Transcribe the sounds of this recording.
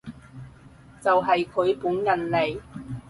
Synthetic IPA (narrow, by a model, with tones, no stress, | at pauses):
t͡sɐ˨wɦɐ˨jkʰɵ˨˧ɥpuː˨˥njɐ˨nle˨j